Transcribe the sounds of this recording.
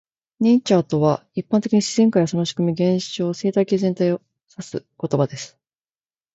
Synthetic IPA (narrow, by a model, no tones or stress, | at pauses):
ɲʲĩɲt͡ɕaːt̪o̞βaipːãnt̪e̞kʲiɲ̟iɕiz̥ẽ̞ŋkaiasonoɕi̥komʲiɡẽ̞ɰ̃ɕɕo̞ːse̞ːt̪aikʲeːzent̪aio̞ | sasɨ̰ko̞t̪o̞bad̪e̞sɨ̥